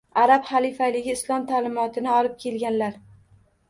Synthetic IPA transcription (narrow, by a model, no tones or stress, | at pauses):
aɾapχalifalɪɡʲɪɪslˠɒmt̪ʰalɪmɒt̪ʰɪnɪɒlɪp̚kʲʰe̞lɡʲanlaɾ